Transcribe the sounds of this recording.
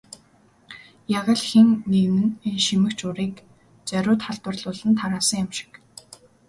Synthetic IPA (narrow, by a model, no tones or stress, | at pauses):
jaʁə̆ɮxiŋːeɣnɘ̆nenʃimɘ̆kt͡ɕʊɾiːk | t͡sœɾʊːt̪χaɮt̪wə̆rɮʊːɮə̆nt̪ʰaɾaːsə̆ŋjamʃɪ̥k